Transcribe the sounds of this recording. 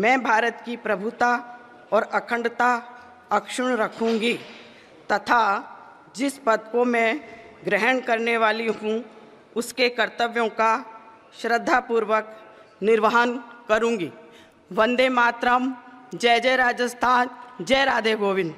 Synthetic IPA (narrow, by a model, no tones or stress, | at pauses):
mɛ̃ːbʱaːɾət̪kipɾɐbʱʊt̪a | ɔːɾɐkʰə̃ɳɖt̪a | ɐkʃʊɽ̃ɾɐkʰũːŋɡi | t̪ɐt̪ʰa | d͡ʒɪsbɐd̪̚komɛ̃ɡɾɛɦəɳ̃kɐɾneʋaːliɦũ | ʊskekɐɾt̪əʋjõka | ʃɾəd̪ʱːapuːɾʋək | nɪɾʋəɦənkəɾũːŋɡiː | ʋə̃nd̪emaːt̪ɾəmd͡ʒɛːd͡ʒɛːɾaːd͡ʒəst̪ʰaːnd͡ʒɛːɾaːd̪ebʱoːʋɪn